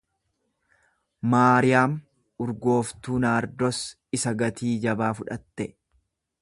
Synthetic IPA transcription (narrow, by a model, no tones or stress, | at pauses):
maːɾɪjaːm | ʊɾɡo̞ːft̪uːnaːɾd̪ɔs | ɪsɐɡɐt̪ʰiːd͡ʒɐbaːfʊᶑɐt̪ːɛ